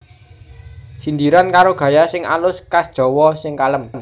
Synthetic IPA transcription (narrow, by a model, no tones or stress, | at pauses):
sindiɾankaɾoɡ̥a̤jasɪŋa̰lʊskasd̥ʒ̥ɔ̤wɔsɪŋkaləmm